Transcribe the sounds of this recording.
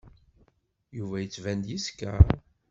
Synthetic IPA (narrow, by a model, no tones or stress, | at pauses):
juvæjət͡sːvænd̪jiskæ